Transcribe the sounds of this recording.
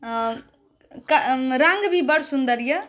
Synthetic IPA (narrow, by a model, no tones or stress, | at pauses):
kɐɾaŋɡbʱibəɽsund̪əɾjə